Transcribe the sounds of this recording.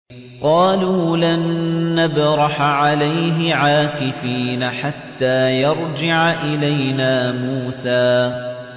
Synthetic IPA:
qɑːluːlanːabɾˤɑħʕalajɦɪʕaːkɪfiːnaħat̪ːaːjɑɾˤd͡ʒɪʕaʔɪlajnaːmuːsaː

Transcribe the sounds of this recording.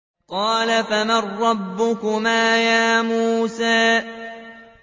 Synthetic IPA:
qɑːlafamarːɑbːʊkʊmaːjaːmuːsaː

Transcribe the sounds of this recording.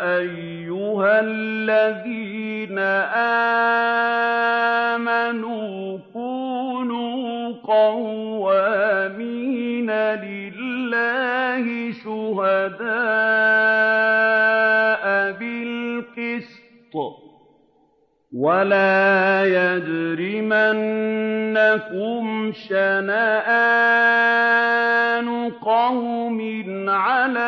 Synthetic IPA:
ʔajːʊhallːaðiː | naʔa | manuː | kuːnuːqɑwwaminalɪ | lːaːhɪʃʊɦad̪aː | ʔbɪlqɪs | t̪ˤ | walaːjad̪ɾimanː | akʊmʃanaːʔa | nʊqɑwmɪnʕalaː

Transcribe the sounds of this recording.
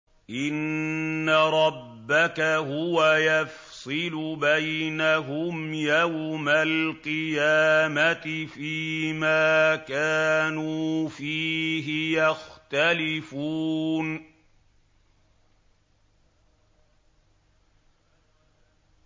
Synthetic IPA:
ʔɪnːaɾˤɑbːakaɦʊwajaf | sˤɨlʊbajnaɦʊmjawmalqɨjaːmat̪ɪfiːmaːkaːnuːfiːɦɪjaxt̪alɪfuːn

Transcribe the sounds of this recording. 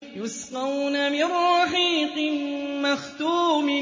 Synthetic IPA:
jʊsqɑwnamɪrˤɑħiːqɨmaxt̪uːmɪ

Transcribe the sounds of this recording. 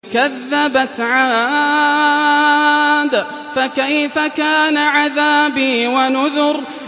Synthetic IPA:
kaðːabat̪ʕa | d̪ | fakajfakaːnaʕaðaːbiːwanʊðʊɾ

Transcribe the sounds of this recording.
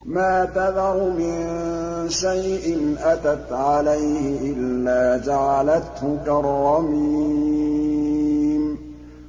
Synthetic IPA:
maːt̪aðɑɾˤmɪnʃajʔɪnʔat̪at̪ʕalajhɪʔɪlːaːd͡ʒaʕalat̪hʊkaɾˤːɑmi | m

